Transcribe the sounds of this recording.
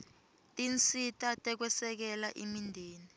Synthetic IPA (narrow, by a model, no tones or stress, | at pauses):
tʼint͡sʼitʼatʼɛk̬wɛsɛk̬ɛlaʔimindʱiːni